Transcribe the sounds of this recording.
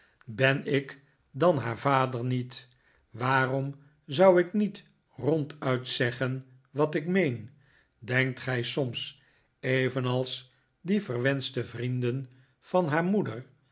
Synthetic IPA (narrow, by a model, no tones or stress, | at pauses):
bɛnɪk | dɑnɦaːɹvaːdəɹnit | ʋaːrɔm | zʌwɪknit | rɔntœɥtsɛχən | ʋɑtɪkmejn | dɛŋk̚tχɛjsɔms | ejvənɑlˠs | divərʋɛnstəvrindən | v̥ɑnɦaːɹmudər